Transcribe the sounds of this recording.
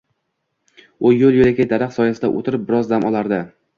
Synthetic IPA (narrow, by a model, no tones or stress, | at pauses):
ʊjolˠjolekʲajd̪aɾaqsɒjasɪd̪a̰ʔo̰t̪ʰɪɾɪp̚bɪɾɒzd̪amʔɒlˠaɾd̪ɪ